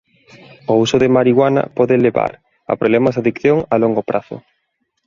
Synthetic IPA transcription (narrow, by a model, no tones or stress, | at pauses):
ousʊðemaɾiɣwanɐ̰pɔðeleβa̰ɾ | a̰pɾoβlɛmazðaðikθjoŋaloŋɡopɾaθʊ̰